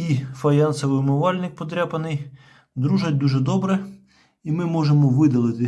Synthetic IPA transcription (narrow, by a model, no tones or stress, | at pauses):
ifɐjɑnsɐʋɪmʊʋɑlʲnɪk̚pɔt̪ɾʲɑpɐnɪj | d̪ɾuʒɐt̚ʲd̪uʒɛd̪ɔbɾɛ | imɪmɔʒemɔʋɪd̪ɐlˠɪt̪ɪ